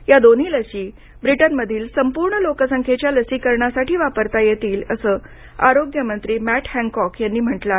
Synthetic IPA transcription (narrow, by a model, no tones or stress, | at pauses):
jad̪on̤iːləɕiː | bɾiʈənməd̪ʱiːlsəmpuːɾɳəlokəsəŋkʰet͡ɕjaləsiːkəɾɳasaʈiːʋapəɾt̪ajet̪iːləsəː | a̰ɾoɡjəmənt̪ɾiːmæʈhæ̃ŋkɔkʰjanːiːm̤əʈla